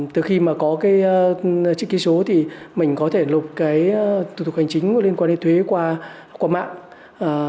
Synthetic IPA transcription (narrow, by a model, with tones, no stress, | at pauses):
t̪ɨ˨˩xi˧maː˨˩kɔ˨˦kaː˨˦jt͡ɕḭ˧˥ki˨˦so˨˦t̪ʰi˨˩mï˨˩ŋ̟kɔ˨˦t̪ʰe˧˩lʊ˨˩k͡p̚kaː˨˦jt̪ʰu˨˩t̪ʊ˨˩ha˨˩ŋ̟t͡ɕï˨˦ŋ̟ku˧˩li˧ənkwa˧nːe˨˧nt̪ʰwe˨˦kwaː˧kwaː˧ma̰ː˧˨ŋː˨˩